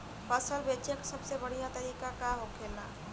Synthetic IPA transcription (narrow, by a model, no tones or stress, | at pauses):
pəsəlbet͡ʃjəksəbsebəɽ̤ijat̪əɾiːkakaɦokʰela